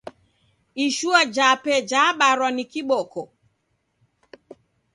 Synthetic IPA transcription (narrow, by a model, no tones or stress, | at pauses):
iʃuad͡ʒapɛd͡ʒaɓaɾwanikiɓɔkɔ